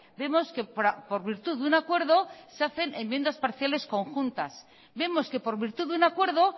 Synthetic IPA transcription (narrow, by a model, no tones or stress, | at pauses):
be̞mo̞ske̞ɾapo̞ɾβiɾt̪uððunakwe̞ɾðo̞seaθe̞nemːje̞nd̪aspaɾθjale̞sko̞ŋxunt̪as | be̞mo̞ske̞po̞ɾβiɾt̪uðunakweɾðo̞